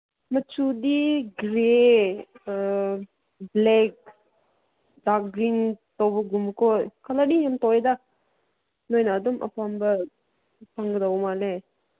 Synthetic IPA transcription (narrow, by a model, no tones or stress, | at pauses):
mɐt͡ʃudiɡɾe | blek̚ | dak̚ɡɾintɔwbɐɡumkojkʰalaɾijamtɔwjda | nojnaːdumʔɐ̰pʰambɐ | pʰaŋɡɯdawmale